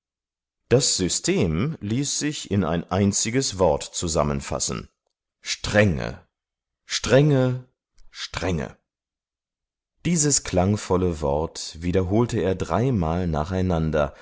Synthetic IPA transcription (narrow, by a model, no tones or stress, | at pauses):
d̥asz̥ʏstʰeːmliːsz̥ɪçɪna̰ɪnʔaɪnt͡sɪɡəsv̥ɔɐtt͡suza̰mə̃nfa̰sn̩ | ʃtʁ̥ɛŋə̰ | ʃtʁ̥ɛŋə | ʃtʁ̥ɛŋə̰ | d̥iːzəskʰl̥aŋfɔləvɔ̰ɐtviːdɐɦoːltəeːɐdʁaɪmaːlna̰ːχaɪnandɐ̰